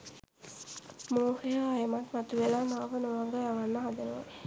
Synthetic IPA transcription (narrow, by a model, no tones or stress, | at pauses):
moːhejəajəmatmat̪uʋelaːmaːʋənoʋaŋɡəjaʋanːəɦad̪ənuʋa̰